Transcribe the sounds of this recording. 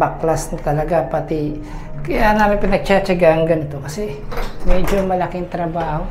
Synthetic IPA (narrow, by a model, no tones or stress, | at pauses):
baklasnɐt̪ɐlɐɡapɐt̪i | kɐjanaːmɪnpɪnɐɡ̚t͡ʃat͡ʃɐɡaɐŋɡɐnɪt̪o̞kɐsɛ | mɛːd͡ʒomɐlɐkɪŋt̪ɾɐbaːho